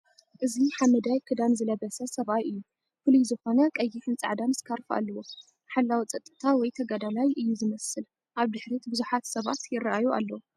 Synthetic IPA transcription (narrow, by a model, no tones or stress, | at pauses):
ʔɨziħamɐd̪ajkʰɨd̪anzɨlɐβɐsɐsɐβajɨjːu | fɨlujzɨxo̞nɐkʼɐjːɪħɨnt͡sʼa̰ʕd̪amɨskʰaɾfʔa̰lːɐwo̞ | ħalːawit͡sʼɐt̪ʼːɨ̥t̪ʰawɔjt̪ʰɐɡad̪alajʔɨjːuzɨmɐsɨl | ʔaβd̪ɨħɾit̪bɨzuħat̪sɐβa̰t̪jɪrːaʔajuʔa̰lːɐwu